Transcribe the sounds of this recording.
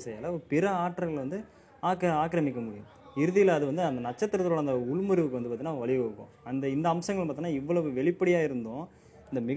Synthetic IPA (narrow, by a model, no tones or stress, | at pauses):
sɐjalɐɔɾɯpɪɾɐaːʈːɾɐɡɐɭʋɐnd̪ɯ | aːkaːkɾɐmɪkʲːɐmʊːɾɪj̃ | ɪɾɯðɪjɐlːðɯʋɐnd̪ɯɐnd̪ɐnɐt͡ʃːɐt̪ːɪɾɐt̪ːɾoːɽɐnd̪ɐʊɭmɐɾɯʋɯkːɯʋɐnɯpːaɾt̪inːaːʋɐɭɪʋɐɯkːõ̰ɐnd̪ɐɪnd̪ɐːmsɐŋɡɐɭpaːɾt̪iːnːaːɪʋːɐɭɐʋɯʋɛɭɪpːɐɽɪjaːɪɾɯnd̪õː | ɪnd̪ɐmɪɣ